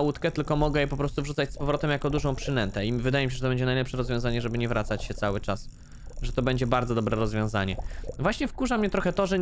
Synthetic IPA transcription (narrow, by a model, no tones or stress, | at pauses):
awut̪kɛt̪ɘlkɔmɔɡɛjɛpɔpɾɔst̪uvʐut̪sat͡ɕspɔvɾɔt̪ɛmjakɔd̪uʐɔ̃w̃pʂɘnɛnt̪ɛivɘd̪ajɛmʲiɕ̬ɛʐɛt̪ɔbɛɲd͡ʑɛnajlɛpʂɛɾɔzvʲjɔ̃zaɲɛʐɛbɘɲɛvɾat̪sat͡ɕɕɛt̪sawɘt͡ʂas | ʐɛt̪ɔbɛɲd͡ʑɛbaɾd̪ɔd̪ɔbɾɛɾɔzvʲjɔ̃w̃zaɲɛvwaɕɲɛfkuʐamɲɛt̪ɾɔxɛt̪ɔʐɛɲ